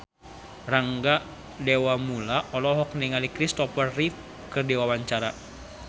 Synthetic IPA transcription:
raŋɡaʔ | dewamulaʔɔlɔɦɔk̚niŋalikɾist̪ɔpərit̪̚ | kərdɛwawaɲt͡ʃaɾa

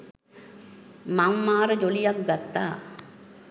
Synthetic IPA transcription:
maŋmaːɾəd͡ʒolijak̚ɡat̪ːaː

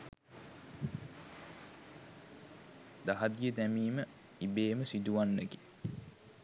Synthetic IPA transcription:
d̪aɦad̪ijəd̪æmiːmə | ibeːməsid̪uʋanːəɡe

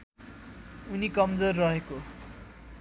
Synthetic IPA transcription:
unikʌmd͡zorːʌɦeko

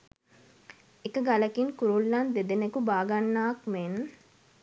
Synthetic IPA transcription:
ekəɡalɐkiŋkuɾulːand̪ed̪enekubaːɡanːaːkmeːn

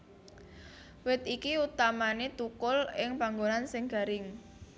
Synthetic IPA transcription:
wɪt̪ikiut̪amanet̪ukʊlɪŋpaŋɡonansɪŋɡ̥a̤ɾɪŋ

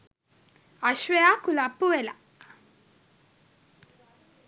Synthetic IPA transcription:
aʃʋejakulapːuʋela

